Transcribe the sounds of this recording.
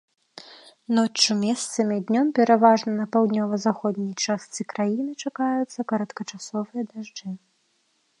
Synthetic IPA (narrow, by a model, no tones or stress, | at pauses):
nɔt͡ʂːumʲɛst̪sɐmʲid̪ʲnʲɔmpʲɛɾavaʐnɐnɐpawd̪nʲɔvɐzaxɔd̪̚ʲnʲijt͡ʂast̪sɨkɾajinɨt͡ʂakajut̪sːɐkɐɾɐt̪kɐt͡ʂasɔvɨjɐd̪aʐd͡ʐɨ